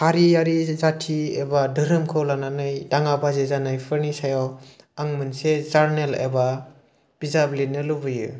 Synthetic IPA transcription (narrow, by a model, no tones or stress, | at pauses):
haɾijaɾizatʰiḛbadɯɾɯmkʰɯwlananɯjdaŋabazezanɯjpʰɯɾnisajaw | aŋmɯnsezaɾnelḛba | b̥izablinːɯlɯbɯjɯ̰